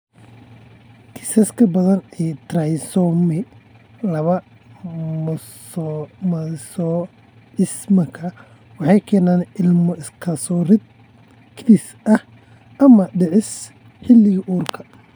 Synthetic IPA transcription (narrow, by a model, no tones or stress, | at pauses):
t̪ʰɪ̥sɐskʰɐbɐðɐnɛːt̪rajsɔmɛ | lɐβɐ | m | mɐsɔ | ʕɪsmɐkʰɐ | wɑħɑjkʰɛːnaːnɪlmɔɪskʰɐsɔːrɪd̪̚ | kʰd̪ɪs | ʔɐh | ɐmɐɖɪʕɪs | ħɪlːɪɣɐʔuːrkʰɐ̥